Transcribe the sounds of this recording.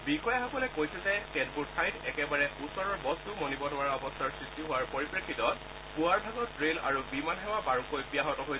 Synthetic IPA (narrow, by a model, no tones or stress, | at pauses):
bixɔjaɦakɔlɛkojsɛzɛkɛdbudsʰajtɛkɛbaɹɛusɔɹɔɹbɔstumonibɔnʊaɹɔbɔstʰaɹsɹistiɦʊwaɹpoɹipɹakʰːitɔt | puaɹbʱaɡɔtɹela̰ɹubimanɦɛwabaɹukojbijaɦɔtɔɦoj